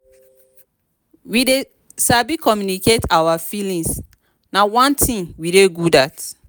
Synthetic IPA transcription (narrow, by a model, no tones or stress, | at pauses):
wide | sabikɔmjuniketawafilĩŋs | nawãntʰĩnwideɡudat